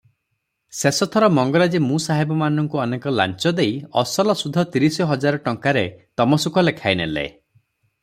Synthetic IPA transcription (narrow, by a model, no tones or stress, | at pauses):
sesɔt̪ʰɔɾɔmɔŋɡɔɾad͡ʒemũsaɦibɔmanɔŋkuɔnekɔla̰nt͡ʃɔd̪ejɔsɔlɔsud̪ʱːɔt̪iɾisɔɦɔd͡ʒaɾɔʈɔŋkaɾet̪ɔmɔsukɔlekʰajnelḛ